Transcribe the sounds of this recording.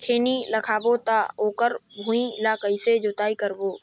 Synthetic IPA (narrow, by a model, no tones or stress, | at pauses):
kʰeːniləkʰaːbot̪aoːkəɾbʱũĩlaːkəised͡ʒot̪aːikəɾboː